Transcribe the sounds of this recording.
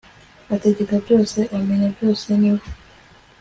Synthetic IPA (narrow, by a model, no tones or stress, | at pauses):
ateɟekavjo̞seʔameɲavjoseniβ